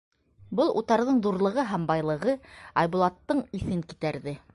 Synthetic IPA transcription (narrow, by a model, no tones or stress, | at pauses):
bɤlˠʔṵt̪ɑɾðɤɴðuɾlˠɤ̆ʁɤɦæmbɑjlˠɤ̆ʁɤɑjβŭlˠɑt̪ːɤɴiθɘŋkit̪æɾðɘ